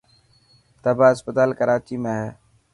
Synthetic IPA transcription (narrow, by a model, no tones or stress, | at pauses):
t̪əbaːɪspət̪aːlkəɾaːt͡ʃiːmẽːɦɛː